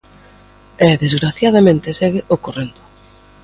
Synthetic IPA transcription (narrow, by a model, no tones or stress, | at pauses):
ɛðezɣɾaθjaðamẽnt̪ɪsɛɣɪʔokorend̪ʊ̥